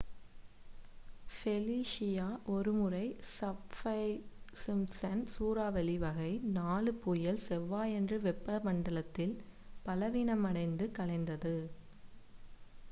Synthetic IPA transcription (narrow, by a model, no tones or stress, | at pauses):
fɛliːʂɪjaːʔɔɾɯmɯrɐɪsɐpfɐɪsɪmsɐnsuːɾaːʋɛlɪʋɐɣɐɪnaːɭɯpːujɐlsɛʋːaːjɛndrɯʋɛpːɐlɐmɐɳɖɐɭɐt̪ːɪl | pɐlɐʋiːnɐmɐɽɐɪnd̪ɯkɐɭɐɪnd̪ɐðɯ